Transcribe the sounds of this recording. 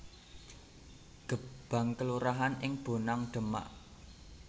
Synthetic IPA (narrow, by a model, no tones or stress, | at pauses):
ɡ̥əb̥a̤ŋkəluɾaɦanɪŋb̥o̤naŋɖ̥ə̤ma̰ʔ